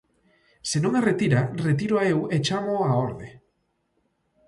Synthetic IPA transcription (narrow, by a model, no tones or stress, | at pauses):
senõŋaret̪iɾaret̪iɾʊaewet͡ʃamoaoɾðe